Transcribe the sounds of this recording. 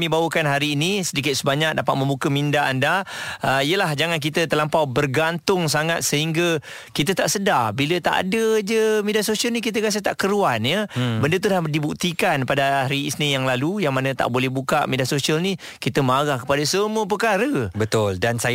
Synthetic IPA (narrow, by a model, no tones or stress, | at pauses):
mĩbawəkanɦaɾiːnisədikɪt̪̚səbaɲak̚dapat̪̚mə̃mbukəmindaandaəijəlahd͡ʒaŋank̬it̪ət̪əlampawbərɡant̪ʊŋs̬aŋat̪̚səɦiŋɡa | kit̪ət̪aʔsədabilət̪a̰ʔa̰dəd͡ʒəmediasosiəlnikit̪̬əkas̬ət̪aʔkəɾuanjəbəndət̪̬ulahdibuk̚t̪ikanpadaɾiːsnijaŋlalujaŋmanə̃t̪a̰ʔbolɛhbuka̰ʔmediasosiəlni | kit̪əmaɣahkə̥padəsəmuəp̬əkaɾəbət̪ʊldansa